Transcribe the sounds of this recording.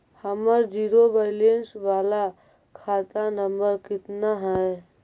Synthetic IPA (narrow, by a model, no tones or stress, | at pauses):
həməɾd͡ʒiɾobəlensbala | kʰat̪anəmbəɾkɪt̪naɦəj